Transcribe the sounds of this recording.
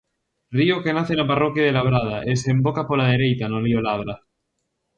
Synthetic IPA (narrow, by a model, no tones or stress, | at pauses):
riokenaθenaparokjað̞elaβ̞ɾað̞aʔesembokapolað̞e̞ɾejt̪anoliolaβ̞ɾa